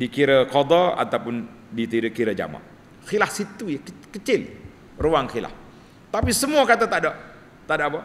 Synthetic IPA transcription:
dikiɾəkɔd̪ɔa̰t̪awpʊn | dit̪iɾəkiɾəd͡ʒa̰ma̰ʔ | xilahsit̪ujakəkət͡ʃɪl | ruwaŋxila̰h | t̪apisəmuakat̪at̪adoʔ | t̪aʔdaʔba

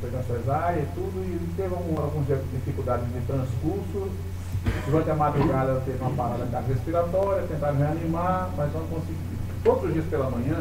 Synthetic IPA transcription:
feẽsõjzajɐit̪ud̪ʊit̪evaɡũalɡũzd͡ʒiɐd̪ifikuld̪ad͡ʒ̪ɪznɪ̃t̪ɾɐ̃skuɾsʊ | d̪uɾɐ̃nt̪ɪɐmad̪ɾuɡad̪ɐɛlɐt̪evɪũmɐpalad̪ɐid̪ad͡ʒɦespiɾat̪ɔɾjɐt̪ẽnt̪aɾ̃ɦeanimamɐjzɐ̃ñkõsiɡi | od̪ɾʊzd͡ʒiɐspelɐmɐ̃ɲɐ̃

